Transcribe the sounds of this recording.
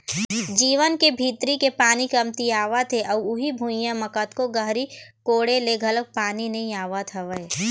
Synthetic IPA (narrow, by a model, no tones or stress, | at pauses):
d͡ʒiːʋənkebʱiːt̪ɾikepaːnikɐmt̪iaːʋat̪ʰeʔɐʊɦibʱujãmɐkət̪koɡəɦɾikoːɽeleɡʱɐləɡ̚paːninɐɦĩaːʋat̪ʰaʋəeː